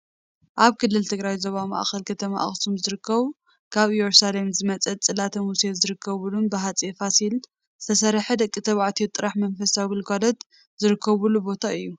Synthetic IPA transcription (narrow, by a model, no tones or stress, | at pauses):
ʔaβkʰɨlːɨlt̪ʰɨɡɾajzoβama̰ʔxɐlkʰɐt̪ʰɐma̰ʔxsumzɨɾɨkʰːɐβ | kʰaβjoɾsalemzɨmɐt͡sʼɐt͡sʼɨlat̪ʰɐmusezɨɾɨkʰːɐβulumbɨɦat͡sʼefasil | zɨ̥t̪ʰɐsɐɾħɨd̪ɐkʼːit̪ʰɐβʕt̪ʰet̪ʼːɨɾaħmɐnfɐsawilkʰalɐt̪ | zɨɾɨkʰːɐβulubo̞t̪ʰaɨjːu